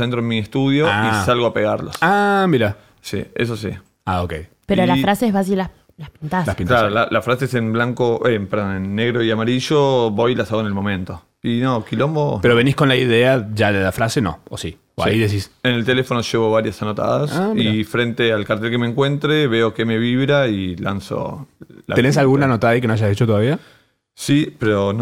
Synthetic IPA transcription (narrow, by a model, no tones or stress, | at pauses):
ent̪ɾoenmiest̪uð̞joaisalɣoapeɣaɾlosamiɾa | sḭḛs̬osḭ | aokḛj | peɾolafɾaseɦβas̬ila | lapintt̪aslapinklaɾolalʔafɾasesemblaŋkoʔempeɾðonenːeɣɾo̞iamaɾiʒoβo̞jlasaɣoenelmo̞mẽ̞nt̪o̞ | inokilombopeɾoβenihkonlaiðeaʒaðelafɾaseno̰osi | oaiðes̬isenelt̪e̞lefo̞noʃeβo̞β̞aɾjasanot̪a̰ðasifɾe̞nt̪ealkaɾt̪elkemẽŋkwe̞nt̪ɾeβe̞okeme̞βiβɾaila̰nso̰la̰t̪enes̬alɣunnanot̪aðaikenoaʒaszðit͡ʃot̪oðaβia | sipeɾon